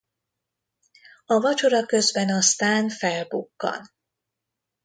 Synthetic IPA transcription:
ɒvɒt͡ʃo̞ɾɒkø̞zbɛnɒst̪aːnfɛlbukːɒ̰n

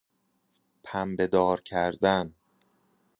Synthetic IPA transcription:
pʰæmbe̞d̪ɒːɾcʰæɾd̪æn

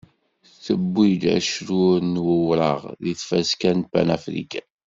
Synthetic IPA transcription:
θəbːid̪æ̰ʃɾuɾnwəwɾəʁðiθfæskænbæ̰næfɾḭkæ

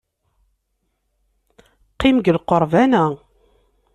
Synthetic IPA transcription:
qimɡəlqoɾˤvænæ

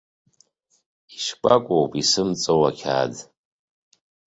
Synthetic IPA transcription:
iʃpʼakʷʼowpʼisɨmt͡sʼowakʲʰa̰ːd

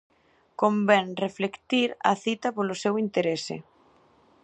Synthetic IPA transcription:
kombɛŋreflekt̪iɾɐ̰θit̪ɐpolosewint̪eɾesɪ̰

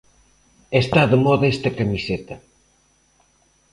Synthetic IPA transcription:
est̪aðemɔðɐest̪ɐkamiset̪ɐ

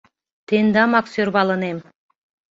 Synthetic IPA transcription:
t̪end̪ɑmaksøɾbɑlˠənem

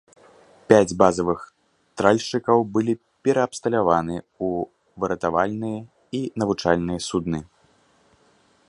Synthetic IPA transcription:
pʲad͡zʲbazɐvɨx | t̪ɾalʲʂt͡ʂɨkɐwbɨlʲi | pʲɛɾɐːpst̪ɐlʲavanɨ | u | vɨɾɐt̪avalʲnɨjɐ | inɐvut͡ʂalʲnɨjɐsud̪nɨ

